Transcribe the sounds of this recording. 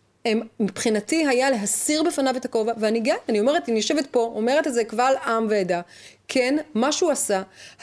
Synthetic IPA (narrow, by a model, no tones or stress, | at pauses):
emmipχinatiɦajale̞ɦasiʁbe̞fanavetako̞vaveaniɡajaniomeetimijoʃevet̚po̞ome̞ʁetezekvalamveedakʰenmaʃuasa